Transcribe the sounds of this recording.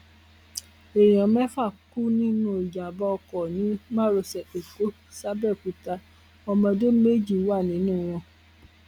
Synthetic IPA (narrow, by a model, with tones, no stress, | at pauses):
e˨j̃ɔ̃˨˦mɛ˦fa˦˨ku˦nĩ˦nũ˦˨i˨d͡ʒa˨bɔ˧kɔ˨nĩ˨˦mã˦ɾo˧sɛ˨e˨ko˨˦ | sa˦bɛ˦˨ku˧˦ta˧ | ɔ˧mɔ̃˧de˦me˦d͡ʒi˦˨˦wa˦˨nĩ˨˦nũ˦˨w̃ɔ̃˧